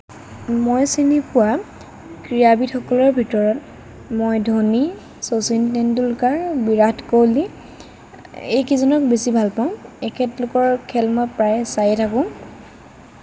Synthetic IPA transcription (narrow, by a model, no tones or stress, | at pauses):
mojsinipʊwa | kɹiabitxɔkɔlɔɹbʱitɔɹɔt | mojdʱoni | sosintɛndulkaɹbiɹatkowli | ḛjkizɔnɔk̚besibʱalpaʊ̃ɛkʰɛtlʊkɔɹkʰɛlmɔpɹajsajɛtʰakʊ̃